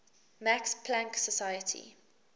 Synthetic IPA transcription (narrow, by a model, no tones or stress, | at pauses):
makspʰlãŋksəsajətʰḭ